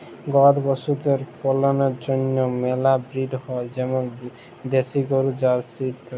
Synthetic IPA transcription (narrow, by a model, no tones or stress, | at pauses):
ɡɔd̪bɔsut̪eɾpɔlɔnɔɾd͡ʒɔnjɔmelabɾiɖhɔed͡ʒɛmɔn | d̪esiɡɔɾud͡ʒaɾsit̪ʰ